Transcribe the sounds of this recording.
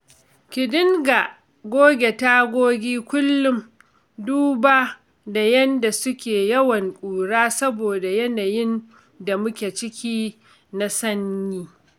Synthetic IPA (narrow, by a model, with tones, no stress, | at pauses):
kʲɪ˨dɪ˦ŋɡa˨ | ɡʷoː˦ɡʲe˨ta˦ɡʷoː˦ɡʲiː˦kʷʊ˦lːʊ˦m | duː˦baː˦ | da˨jɐ˦nda˨sʊ˦kʲeː˨jɐ˦wɐ˨ŋkʷʼuː˨ɽaː˦sɐ˦boː˨da˨jɐ˦naː˨jɪ˦n | da˨mʊ˦kʲeː˨t͡ʃɪ˦kʲiː˦ | na˦sɐ˦ɲɲiː˦